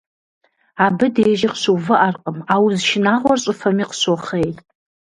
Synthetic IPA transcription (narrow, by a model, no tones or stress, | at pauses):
abɨdejʒɪqʃuwvɨʔarqʼəmawzʃɪnaʁʷɔrɕʼɨfɐmiqsoχejtʼ